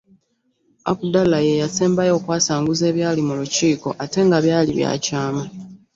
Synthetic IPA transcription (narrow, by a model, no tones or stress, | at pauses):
a̰kudalajejaseːmbajo̞ːkwaːsaːŋɡuze̞ːβjaːlimuluciːko̞ʔate̞ŋɡaβjaːlḭβja̰ːcaːma